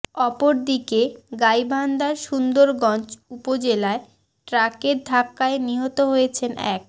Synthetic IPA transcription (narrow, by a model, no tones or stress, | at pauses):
ɔpoɾd̪ikeɡajbʱand̪aɾʃund̪oɾɡɔnt͡ɕupod͡ʑelae | ʈɾakeɾd̪ʱakːaeniɦot̪oɦojet͡ɕʰenʔɛ̰k̚